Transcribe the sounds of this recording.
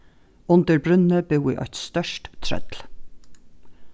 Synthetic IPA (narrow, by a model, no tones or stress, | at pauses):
ʊnd̪əɹbɾʉnəbʉːḭːʔɑ̰ɪt̪st̪œʃʈt̪ʰɾœ̰d̪l